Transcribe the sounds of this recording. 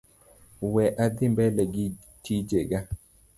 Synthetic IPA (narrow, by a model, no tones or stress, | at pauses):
wɛʔad̪ɪmbɛlɛɡɪ | tid͡ʒeɡa